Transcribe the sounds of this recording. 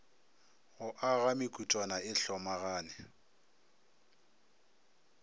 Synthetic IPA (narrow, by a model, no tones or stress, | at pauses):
ɣʊʔaɣamɪkʼutʼwanaɪɬɔmaɣaːnɛ